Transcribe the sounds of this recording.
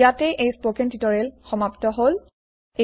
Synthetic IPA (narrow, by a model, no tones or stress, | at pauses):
atɛʔejspokɛntitɔɹɛlxɔmaptɔɦol | e